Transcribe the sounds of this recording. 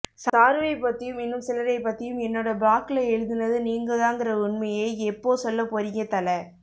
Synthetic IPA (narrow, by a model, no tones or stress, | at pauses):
saːɾʋɐɪpːɐt̪ːɪjɯmɪnːɯmsɪlɐɾɐɪpːɐt̪ːɪjɯmɛnːoːɽɐbaːkɪlɐɛɻɯðɪnɐðɯniːŋɡɐðãːŋɡɪɾɐʊɳmɐjeːɛpːoːsɔlːɐpɔɾɪŋɐt̪ːɐlɐ